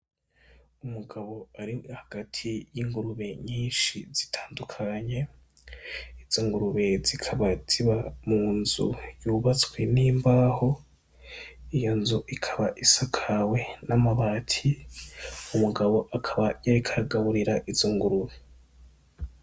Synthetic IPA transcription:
umuɡaβo̞aɾihaɡ̥atʰijiŋɡuɾuβe̞ɲiːnʃiz̥i̥tʰaːndukʰaɲe̞ | iz̥oŋɡuɾuβe̞zikʰaβaz̥iβamuːnzṵjuːβat͡sweniːmbaːho̞ | ijonzuʔikʰaβaʔisakʰawe̞namaβaːtʰi | umuɡaβo̞ʔakʰaβajaɾikʰaɡaβuɾiɾaʔiz̥oŋɡuɾuβe

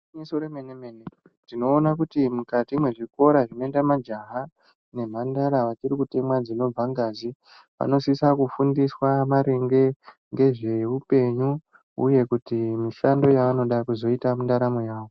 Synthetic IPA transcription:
mesoɾemenemene | tino̞ːnakutimukatimwe̞ʐiko̞ɾaʐino̞itamad͡ʒaɦa | ne̞m̤andaɾaʋat͡ʃiɾikute̞mwad͡zino̞b͡vaŋɡazi | pa̰no̞sisakufundiswamaɾe̞ŋɡe̞ | ŋɡe̞ʐe̞upe̞ɲu | ṵje̞kutimiʃando̞jaano̞ɗakuzo̞itamundaɾamo̞jaːwo̞

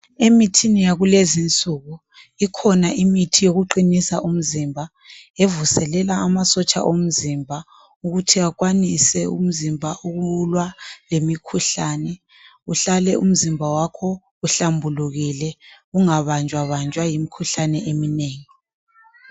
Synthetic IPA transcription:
emitʰinijaɣulezint͡sʼuɣu | ikʰɔnaʔimitʰijoɣuǃinisa̰ʔum̩zimbʱa | evusɛlɛlaːmasɔt͡ʃʼa̰ʔom̩zimbʱa | uɣutʰiakwanisɛṵm̩zimbʱaʔuɣuulwalemikʰuɬaːnɛ | uɬalɛʔṵm̩zimbʱawakʰɔ | uɬambʱuluɣilɛ | uŋaβand͡ʒʱwaβand͡ʒʱwajimikʰuɬanɛʔemineːŋi

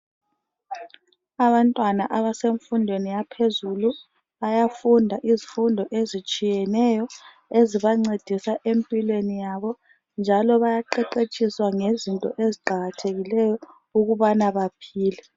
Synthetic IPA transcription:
aβantʼwanaʔaβaseɱfundʱwenijapʰezulu | ajafundʱaʔizifundʱɔʔezit͡ʃʼijɛnɛjɔ | eziβaŋ͡ǀed̥ʱisaʔempʼilwenijaβɔ | nd͡ʒʱalɔβajaǃɛǃet͡ʃʼiswaŋezintʼɔ̰ʔeziǃaɣatʰeɣilɛjɔ | uɣuβanaβapʰiːlɛ

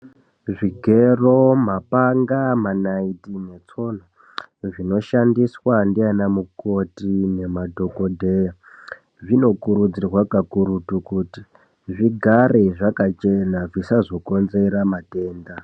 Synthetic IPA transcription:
ʐiɡʱero̞mapaŋɡamanaitine̞t͡so̞na | ʐino̞ʃandiswandianamuko̞tine̞madʱo̞ko̞dʱe̞ja | ʐino̞kuɾud͡zirwakakuɾutukuːti | ʐiɡʱareʐakat͡ʃe̞naʐisazo̞ko̞nze̞ɾamate̞ːnda

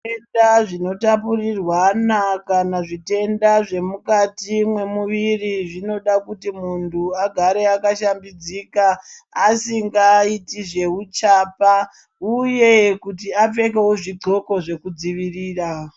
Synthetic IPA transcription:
endaʐino̞tapurirwanakanaʐite̞ndaʐe̞mukatimwe̞muʋiriʐino̞ɗakutimuntʰuaɡʱaɾe̞akaʃambid͡zikaːsiŋɡaːitiʐe̞ut͡ʃaːpa | uje̞kutiap͡fe̞kewoʐiǃo̞ko̞ʐe̞kud͡ziʋiriːra

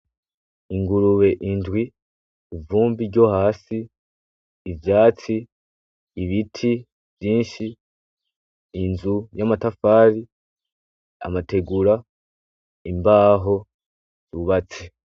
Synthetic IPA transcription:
iŋɡuɾuβe̞ʔindwiː | vuːmbiɾɟo̞haːsiː | vjaːt͡siː | βitʰi | vjiːnʃi | nzujamatafaːɾi | a̰mate̞ɡuɾa | imbaːɦo̞ | z̥uβat͡si

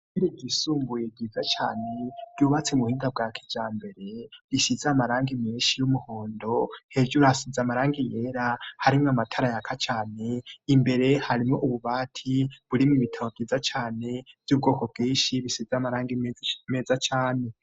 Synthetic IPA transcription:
iɾiɟisuːmbujeb̚ɟiːzat͡ʃa̰ːne̞bɟuβat͡semuhiːndab̚ɡakʰi̥d͡ʒaːmbe̞ɾe̞βisizaːmaɾaːŋɡimiːʃijumuho̞ːndo̞he̞ʒuɾuhasizamaɾaːŋɡije̞ɾahaɾimŋamatʰaɾajakʰat͡ʃaːne̞imbe̞ɾe̞haɾimŋoʔuβuβaːtʰiβuɾimiβitʰaβob̚ɡiːzat͡ʃaːne̞b̥jub̚ɡo̞ːko̞b̚ɡiːnʃiβisizamaɾaːŋɡime̞ːzat͡ʃaːne̞

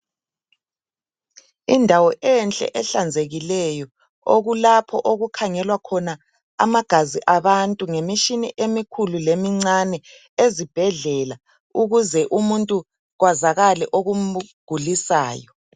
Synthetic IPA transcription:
indʱawɔʔɛnt͡ɬʼɛ̰ʔɛɬand͡zʱeɣilɛjɔ | oɣulapʰɔʔoɣukʰaŋɛlwakʰɔna | a̰maɡ̥ʱaziʔaβantʼuŋemiʃiniʔemikʰululemiŋ͡ǀanɛ | ezib̥ʱɛɮɛla | uɣuzɛʔumuntʼu | ɣwazaɣalɛʔoɣum̩ɡ̥ʱulisa̰ːjɔ

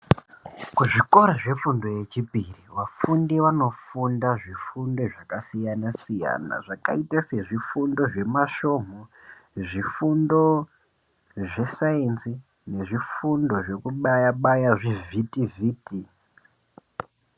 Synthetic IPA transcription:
kuʐiko̞ɾaʐe̞fundo̞je̞t͡ʃipiriʋafundeʋano̞fundaʐifundo̞ʐakasijanasija̰na̰ʐaka̰itase̞ʐifundo̞ʐe̞maʃo̞m̤oʐifundo̞ | ʐe̞saensi | ne̞ʐifundo̞ʐe̞kuɓajaɓajaʐivʱitiviːti

